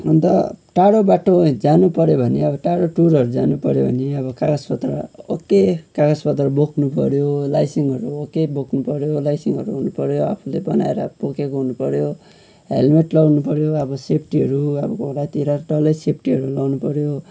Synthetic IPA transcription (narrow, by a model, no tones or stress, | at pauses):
unt̪ʌ̰ʈaɽobaʈod͡zanupʌɾjobʱʌneʌbʌʈaɽoʈuɾʌɾud͡zanupʌɾjobʱʌneʌbʌkaɡaspʌt̪rʌ̰okːekaɡaspʌt̪rʌbokʰnupʌɾjolajsiŋʌɾuokːebokʰnupʌɾjolajsiŋʌ̰ɾuɦunupʌɾjoapʰulebʌna̰eɾʌbokekoɦunupʌɾjo | ɦḛlmeʈlʌwnupʌɾjoʌbʌsepʰʈiɦʌɾuʌbʌkoɾajt̪iɾaʈʌlʌjsep̚ʰʈiɦʌɾulʌwnupʌɾjo